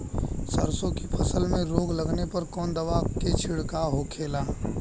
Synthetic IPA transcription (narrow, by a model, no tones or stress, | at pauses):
səɾsõkipʰɐsəlmẽɾoːɡlɐɡnepɐɾkɔːnd̪ɐʋaket͡ʃʰɪɽkaɦokʰeːlaː